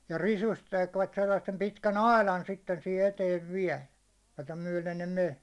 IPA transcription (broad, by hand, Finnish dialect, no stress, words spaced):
jɑ risust tekʋæt selːɑsːem pitkæn ɑilɑn sitːen sihe eteːʋ ʋiæ̝l jotɑ myæ̹len ne men̞